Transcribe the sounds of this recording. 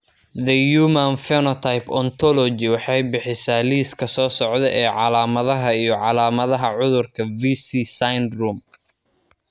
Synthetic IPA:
ðɐjuːmɐnfɛnɔt̪ʰajpɔnt̪ʰɔlɔt͡ʃɪwɑħɑjbɪħɪsaːliːskʰɐsɔːsɔʕd̪ɛʔɛːʕɑlaːmɐðɐɦɐijɞʕɑlaːmɐðɐɦɐʕʊðʊrkʰɐvisiːsajnruːm

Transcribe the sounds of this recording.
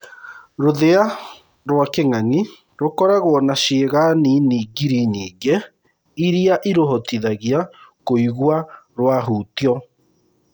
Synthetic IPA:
ɾoðea | ɾwakeŋaɲi | ɾokɔɾaɣɔnaʃeːɣaniniɡiɾiɲiːɡe | iɾiaʔiɾoɦɔtiðaɣiakoiɣwaɾwaɦuːtiɔ

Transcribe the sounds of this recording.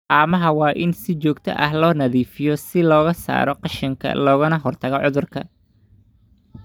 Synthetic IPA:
ʔaːmɐɦɐwɑːʔɪnsɪt͡ʃɔːɡt̪ʰɐ̰ʔɐhlɔːnɐðiːfɪjɔsɪlɔːɣɐsa̰ːɾɔqɑʃɪŋkʰɐ̰lɔːɣʊnɐɦɔrt̪ʰɐɣɔʕʊðʊrkʰɐ̰

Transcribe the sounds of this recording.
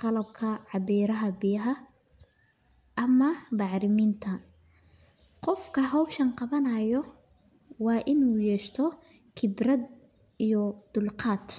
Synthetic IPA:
qɑlɐb̚kʰɐʕɑbiːɾɐɦɐbɪjɐɦɐ | ʔɐmɐbɑʕɾɪmint̪ʰɐ | qɔfkʰɐɦɔwbʃɐnqɑβɐnɐjɔ | wɑːʔɪnuːjɛːʃt̪ʰɔ | kʰɪbrɐd̪ | ijɔd̪̥ʊlqɑːt̪

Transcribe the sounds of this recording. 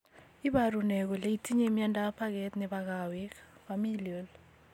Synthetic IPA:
iɓarunɛk̬ɔleitʰiɲɛmiantʼapʰak̬ɛtnɛɓak̬awikfamiliɔl

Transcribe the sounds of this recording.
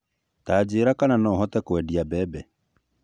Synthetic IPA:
tad͡ʑeːɾakananɔːɦɔtɛkwɛdiabɛːbɛ

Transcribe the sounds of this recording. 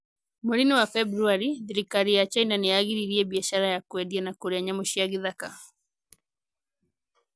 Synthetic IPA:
moɾiniwafɛbɾuaɾiðiɾikaɾijat͡ʃainaneaɣiɾiɾiɛbiaʃaɾajakwɛdianakoɾeaɲamoʃiaɣiðaka

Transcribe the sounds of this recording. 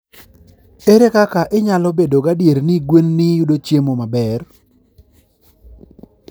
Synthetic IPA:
eɾekakaʔɪɲalɔbedoɡadjeɾniɡwenːɪjʊdot͡ʃjemomabɛr

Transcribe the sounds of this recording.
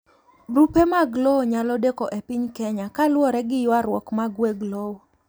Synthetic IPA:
bɾupemaɡloɲalɔdekɔʔepɪɲkɛɲakalwɔɾɛɡɪjwaɾwɔkmaɡweɡlow

